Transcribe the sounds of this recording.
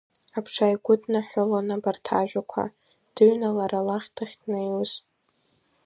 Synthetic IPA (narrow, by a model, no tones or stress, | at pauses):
apʰʂʰajɡʷʊdnaħʷʊlanabartʰa̰ʒᶣakʷʰa̰ | d̥ɨɥnalaɾalaχʲtʰaχʲnajwz